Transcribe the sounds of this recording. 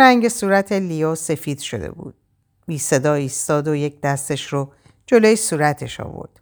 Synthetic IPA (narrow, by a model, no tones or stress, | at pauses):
ɾæŋɟesuːɾæt̪ʰelijɒːse̞fiːd̪̥ʃo̞̰d̪ḛbṵːd̪̥ | biːse̞d̪ɒːiːst̪ɒːd̪ojec̚ʰd̪æst̪e̞ʃɾo | d͡ʒolojisuːɾæt̪ʰe̞̰ʃɒ̰ːvo̰ɾd̪̥